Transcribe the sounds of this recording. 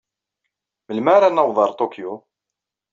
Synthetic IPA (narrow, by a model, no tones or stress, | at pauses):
məlmaɾanəwðˤɑɾˤt̪okjo